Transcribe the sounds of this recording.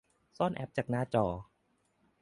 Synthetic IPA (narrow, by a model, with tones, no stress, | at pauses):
sɔː˥˩˨nʔɛ̰˦˥p̚t͡ɕaː˨˩k̚naː˧˩t͡ɕɔː˨˩